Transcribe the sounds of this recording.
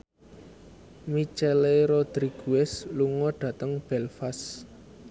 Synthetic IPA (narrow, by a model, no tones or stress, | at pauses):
mit͡ʃɛleɾɔd̪̥ɾiɡ̥uɛsluŋɔɖ̪̥ä̤t̪əŋb̥ɛlfas